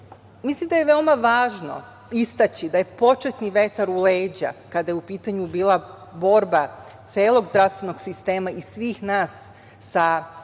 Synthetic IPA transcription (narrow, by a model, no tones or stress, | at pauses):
mislimd̪aje̞ʋeomaʋaːʒno̰ | ist̪at͡ɕid̪aje̞po̞t͡ʃet̪niʋe̞t̪aɾuleːd͡ʑa̰kad̪ajeupiːt̪aɲubiːlˠabo̞ɾbat̪seːlˠo̞ɡzd̪ɾafst̪ʋe̞no̞ɡsist̪e̞ːmaisʋiːxnaːsː | a